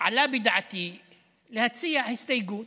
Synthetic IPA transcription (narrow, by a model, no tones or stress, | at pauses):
ʕalabɪd̪ʕat̪i | lɪhat̪sɪjːaʕɪst̪ajɡuːn